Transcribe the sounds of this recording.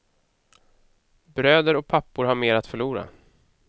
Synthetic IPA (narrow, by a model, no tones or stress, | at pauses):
bɾøːd̪əɾɔk̚pʰapːʊɾɦaɾmeːɾat̪fœɭuːɾa̰